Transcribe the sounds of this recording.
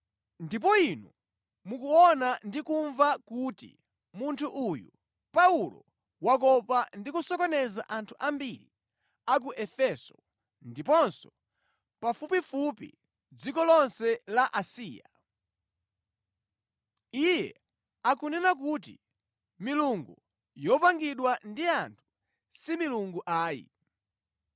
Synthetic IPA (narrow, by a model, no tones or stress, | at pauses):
ndip̬ɔinu | mukuɔnandikuɱvakutḭ | muntʰuʔujṵ | paulɔ̰ | wak̬ɔpandikusɔkɔnɛza̰ʔantʰuʔambiɾḭ | ak̬uʔɛfɛsɔ | ndipɔnsɔ | pafupifupḭ | d͡zikɔlɔnsɛlaʔasiːja̰ | ijɛ̰ | akunɛnak̬ut̬ḭ | miluŋɡu | jɔpaŋɡiɗwandiantʰu̥ | similuŋɡuʔaːjḭ